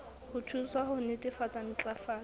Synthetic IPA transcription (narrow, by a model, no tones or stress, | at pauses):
hʊtʰuswahʊnɪtʼɪfat͡sʼan̩t͡ɬʼafaː